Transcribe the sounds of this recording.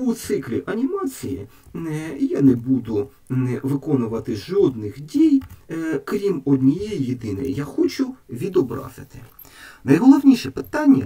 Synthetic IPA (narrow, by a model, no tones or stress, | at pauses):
ut̪sɪklʲiʔɐnʲimɑt͡sʲijḭ | ɛjanɛbud̪ʊ | ʋɪkɔnʊʋɐt̪ɪʒɔd̪nɪxdʲijkɾʲimɔd̪ʲnʲijɛjjid̪ɪnḛjjaxɔt͡ʃʊʋʲid̪ɔbɾɑ̰zɪ̰t̪ɪ̥ | nɐjɦɔlˠɔwnʲiʃɛpɪt̪ɑnʲːɐ̰